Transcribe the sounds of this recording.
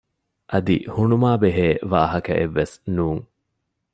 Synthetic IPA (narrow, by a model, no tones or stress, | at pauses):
ʔɐd̪ḭhunumaːbeɦeːʋaːɦɐkɐ̰ʔeʋːesnuːŋ